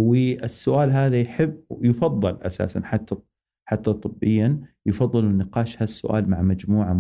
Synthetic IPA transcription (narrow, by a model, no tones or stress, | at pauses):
wɪʔɪsːʊʔaːlɦaːðajħɪbːjfɑðˤːɨlʔa̰sa̰ːsa̰nħat̪ːa | ħat̪ːat̪ˤɨbːɪjːanjfɑðˤːɨlunɪqɑːʃhasːʊ̰ʔa̰ːlmaʕmad͡ʒmuːʕam